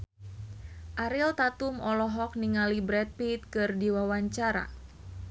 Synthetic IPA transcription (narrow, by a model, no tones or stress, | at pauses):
ʔaɾilt̪at̪umɔlɔɦɔk̚niŋalibɾɛt̪̚pit̪̚kɨrdiwawaɲt͡ʃaɾa̰